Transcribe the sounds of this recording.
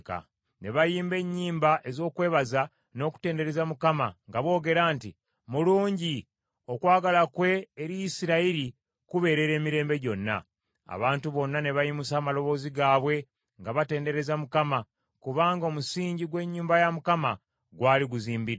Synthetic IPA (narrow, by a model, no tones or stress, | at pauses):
ka̰ | ne̞βajiːmbe̞ɲːiːmbaʔe̞zo̞ːkwe̞ːβaza | no̞ːku̥te̞ːnde̞ɾe̞zamukamaŋɡaβo̞ːɡe̞ɾaːnti | muluːɲɟi | o̞kwaːɡalakwe̞ːɾijisiɾaiɾi | kuβe̞ːɾe̞ɾe̞ːmiɾe̞ːmbe̞ɟo̞nːa̰ | a̰βaːntuβo̞nːane̞βajimusaːmalo̞βo̞ːziɡaːβwe̞ | ŋɡaβate̞ːnde̞ɾe̞zamukama | kuβaːŋɡomusiːɲɟiɡwe̞ɲːuːmbajamukama | ɡwaːliɡuziːmbi